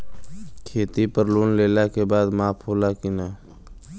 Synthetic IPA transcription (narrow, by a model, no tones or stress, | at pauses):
kʰeːt̪ipəɾluːnleːlakebaːd̪maːpʰoːlakɪnaː